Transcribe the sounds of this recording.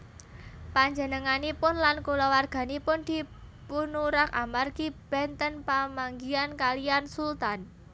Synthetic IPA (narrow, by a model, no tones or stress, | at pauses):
paɲd͡ʒə̤nəŋanipʊnlankulawarɡ̥a̤nipʊnd̪̥i̤punuɾakamarɡ̥ib̥ɛnt̪ənpamaŋɡiankaliansult̪an